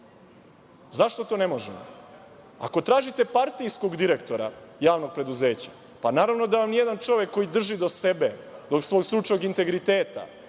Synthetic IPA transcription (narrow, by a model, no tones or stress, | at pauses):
zaʃt̪o̞t̪o̞ːne̞moʒḛmo̰ | a̰ko̞t̪ɾaːʒit̪e̞paɾt̪ijsko̞ɡd̪iɾe̞kt̪o̞ɾajaːʋno̞ɡ̚pɾe̞d̪uze̞ːt͡ɕa̰ | panaːɾaʋno̞d̪aʋamnijed̪ant͡ʃo̞ʋje̞kːo̞jid̪r̩ʒid̪o̞se̞be̞d̪o̞ksʋo̞ːɡkst̪ɾut͡ʃno̞ɡint̪e̞ɡɾit̪eːt̪a̰